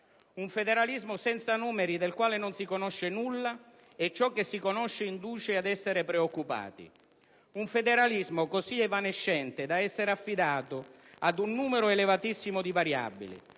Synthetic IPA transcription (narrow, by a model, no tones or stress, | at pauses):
uɱfed̪eɾalizmʊsɛnt̪sanuːmeɾid̪elkwaːlɪnʊnsikonɔʃːɪnulːa | ɛt͡ʃːɔkːesːikonɔʃːɪind̪uːt͡ʃead̪ɛsːeɾɪpɾeokːupa̰ːt̪ḭ | uɱfed̪eɾalizmʊkosiɛvaneʃːɛnt̪ɪd̪aɛsːeɾafːid̪aːt̪ʊ | ad̪unːuːmeɾʊelevat̪isːimʊd̪ivaɾja̰bːḭlḭ